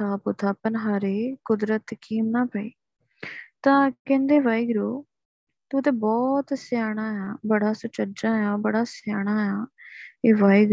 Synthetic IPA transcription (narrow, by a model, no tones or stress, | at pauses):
aːpʊt̪ʰaːpənɦaːɾeːkʊd̪ɾət̪kiːmnaːpəḭː | t̪ãːkɛ̃ːnd̪eːʋaːiːɡɾoː | t̪uːt̪ẽːbɔːt̪sjaːɽ̃aːjaːbəɽaːsʊt͡ʃəd͡ʒãːjaːbəɽaːsjaːɽ̃aːjaːeːʋaːiːɡ